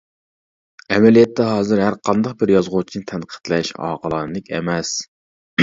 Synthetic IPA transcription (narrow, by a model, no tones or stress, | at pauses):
ɛmɛlijɛt̪ʰːɛɦɑːzɨɾɦæɾqʰɑnd̪ɑq̚bɪɾjɑzʁʊt͡ʃʰinɨt̪ʰɛnqʰə̥t̪lɛʃɑ̰ːqʰəlˠɑnlɪkʲɛ̰mɛs